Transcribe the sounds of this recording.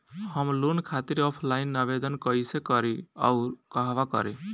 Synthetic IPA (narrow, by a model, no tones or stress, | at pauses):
həmlonkʰat̪iɾɔpʰlainːaβed̪ənkəisekəɾia̰ukəɦʋakə̰ɾe